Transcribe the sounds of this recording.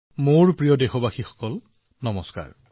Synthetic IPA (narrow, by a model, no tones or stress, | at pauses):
moɹpɹijɔdexɔbaxixɔ̥kɔl | nɔmɔska̰ɹ